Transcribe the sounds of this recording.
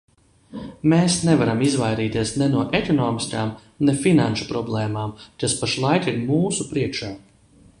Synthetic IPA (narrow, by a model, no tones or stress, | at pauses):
meːsnɛvaɾamizvajɾiːt̪iɛsnɛnuɔʔekɔnɔːmiskaːm | nɛfinanʃu̥pɾɔblˠeːmaːmt̪aspaʃlˠajt̪iɾmuːsupɾiɛkʃaː